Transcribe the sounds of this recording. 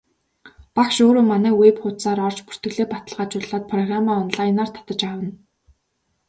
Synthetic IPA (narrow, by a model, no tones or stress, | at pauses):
pakʃoːɾoːmanæːweːpχʊt̪saːɾɔr̥t͡ɕpu̥r̥t̪ɡɘ̆ɣɮeːpat̪ə̆ɮʁaːt͡ɕʊɮaːt̪̚pʰrɔɣramaːɔnɮajnaːr̥t̪ʰḁt̪ə̆t͡ɕawə̆n